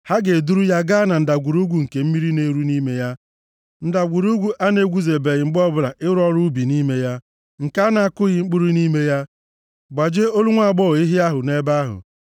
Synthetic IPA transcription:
ha˦ɡe˨du˦ɾu˦ja˦ɡa˦na˨n̩˨da˨ɡʷu˨ɾu˦ɡʷu˨ŋ̩˨ke˨m̩˦mi˦ɾi˦ne˦ɾu˦ni˦me˦ja˦ | n̩˦da˨ɡʷu˨ɾu˦ɡʷu˦ʔa˦ne˦ɡʷu˦ze˨be˨ɣɪ˨ŋ͡m̩˦ɡ͡bɔ˦bʊ˨ɾa˨ʔɪ˦ɾɔ˦ɾu˦bi˨ni˦me˦ja˦ | ŋ̩˨ka˦na˨a˦kʊ˦ɣɪ˨ŋ͡m̩˦k͡pu˦ɾu˦ni˦me˦ja˦ | ɡ͡ba˨d͡ʒe˦o˦lu˦ŋʷa˦˨ɡ͡bɔ˦˨i˦ɦi˦a˦ɦʊ˨ne˦ba˦ɦʊ̰˨

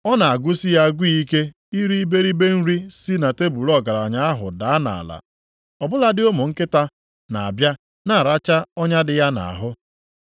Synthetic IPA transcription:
ɔ˦na˨a˨ɡʷu˦si˦ja˦˨ɡʷi˦i˦ke˦ | i˦ɾi˦i˦be˦ɾi˦be˦n̩˦ɾi˦si˦na˨te˦bu˨ɾɔ˦˨ɡa˨ɾa˨ɲa˦a˦ɦʊ̰˨da˨˦a˦na̰˨la̰˨ | ɔ˨bʊ˦la˦dɪ˦o˦mʊ˨ŋ̩˦kɪ˦ta˦ | na˨a˨bja˦ | na˦˨ɾa˦t͡ʃa˦ɔ˦ɲa˦dɪ˨ja˦na̰˨a̰˨ɦʊ˦

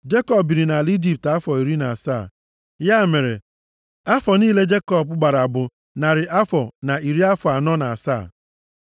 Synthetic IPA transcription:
d͡ʒe˦kɔ˦p̚bi˨ɾi˨na˨li˦d͡ʒi˦˨p̚ta˦fɔ˨i˨ɾi˦na˨sa̰˦˨ | ja˦˨me˨ɾḛ˨ | a˦fɔ˨niː˦le˦d͡ʒe˦kɔ˦bʊ˦ɡ͡ba˨ɾa˨bʊ˨ | na˨ɾɪ˨ʔa˦fɔ˨na˨i˨ɾi˦a˦fʊ˨a˨nɔ˦na˨a˨sa̰˦˨

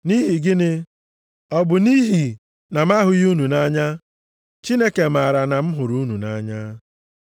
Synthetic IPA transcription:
ni˦ɦi˨ɡɪ˦nɪ˦ | ɔ˦bʊ˨ni˦ɦi˨ | na˨ma˦ɦʊ˨ju˦nu˨na˦ɲa˦ | t͡ʃi˦ne˦ke˨m̩a˨ɾa˨na˨m̩˦ɦʊ˨ɾu˦nu˨na˦ɲa˦

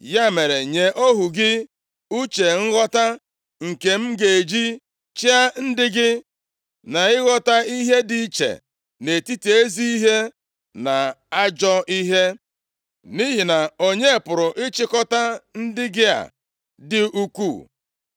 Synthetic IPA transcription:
ja˦me˨ɾe˨ɲe˨ʔo˦ɦu˨ɡɪ˦ | u˦t͡ʃe˨ŋ̩˦ɣɔ˦ta˦ | ŋ̩˨ke˨m̩˦ɡe˨e˨d͡ʒi˦ | t͡ʃi˦a˦n̩˦dɪ˦ɡɪ˦ | na˨ɪ˦ɣɔ˦ta˦i˦ɦe˦di˨˦t͡ʃḛ˨ | ne˨ti˦ti˨e˦zi˦i˦ɦe˦ | na˨a˦d͡ʒɔ˦i˦ɦe˦ | ni˦ɦi˨na˨o˨ɲe˦˨pʊ˨ɾʊ˨ʔɪ˦t͡ʃɪ˦kɔ˦ta˦n̩˦dɪ˦ɡɪ˦a̰˨ | dɪ˦u˦kʷṵ˦˨

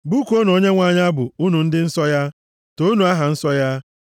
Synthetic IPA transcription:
ɡ͡bu˦ko˦no˨ɲe˦ŋʷa˨ɲ˦a˦bʊ˨u˦nu˨n̩˦dɪ˦n̩˦sɔ˦ja˦ | to˦u˦nu˨a˦ɦa˨n̩˦sɔ˦ja˦

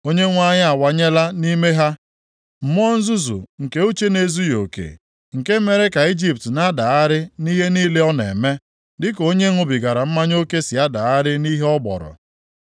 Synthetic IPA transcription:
o˦ɲe˦ŋʷa˦ɲɪ˦a˨wa˨ɲe˦la˦ni˦me˦ɦa˦ | m̩˨m˦ɔ˦n̩˦zʊ˦zʊ̰˨ŋ̩˨ke˦o˦t͡ʃe˦ne˦zu˦jo̰˨kḛ˨ | ŋ̩˨ke˦me˨ɾe˦ka˨i˦d͡ʒi˦p̚tna˦da˨a˦ɾɪ˦ni˦ɦe˦niː˦le˦ɔ˦nḛ˨me˦ | dɪ˦ko˦ɲe˦ŋʷʊ˨bi˨ɡa˨ɾa˨m̩˦ma˦ɲ˦o˦ke˦si˨a˦da˨a˦ɾɪ˦ni˦ɦe˦ɔ˦bɔ̰˨ɾɔ̰˨

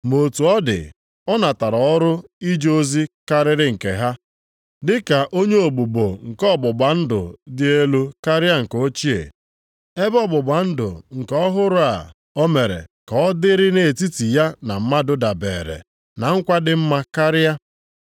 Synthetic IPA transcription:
mo˨tu˨ɔ˦dɪ̰˨ | ɔ˦na˨ta˨ɾɔ˨ɔ˦ɾʊ˦i˦d͡ʒo˦zi˦ka˦ɾɪ˦ɾɪ˦ŋ̩˨kḛ˨ɦa˦ | dɪ˦ka˨ʔo˦ɲe˦o˨ɡ͡bu˨ɡ͡bo̰˨ŋ̩˨kɔ˦˨bʊ˨ɡ͡ba˨˦n̩˦dʊ̰˨dɪ˦e˦lu˦ka˦ɾɪ˦a˦ŋ̩˨ko˦t͡ʃi˦ḛ˨ | e˦bɔ˦bʊ˨ɡ͡ba˨n̩˦dʊ̰˨ŋ̩˨kɔ˦ɦʊ˦ɾʊ˦a̰˨ | ɔ˦me˨ɾḛ˨ka˨ɔ˦dɪ˦ɾɪ˦ne˨ti˦ti˨ja˦na˨m̩˦ma˦dʊ˦da˨bḛː˨ɾḛ˨ | na˨ŋ̩˦kʷa˦dɪ˦˨m̩˦ma˦ka˦ɾɪ˦a˦

